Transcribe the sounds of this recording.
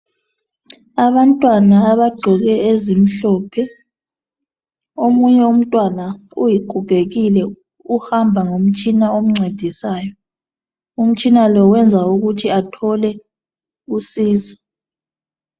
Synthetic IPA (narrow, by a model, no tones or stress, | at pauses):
aβantʼwanaːβaɡ͡ǃʱɔɣɛezim̩ɬɔːpʰɛ | omuɲɛum̩tʼwanaujiɡ͡ǃʱuɡ̥ʱeɣilɛ | uhambʱaŋom̩t͡ʃʼinaom̩ŋ͡ǀʱed̥ʱisaːjɔ | um̩t͡ʃʼinalɔwɛnd͡zʱauɣutʰiatʰɔlɛ | usiːzɔ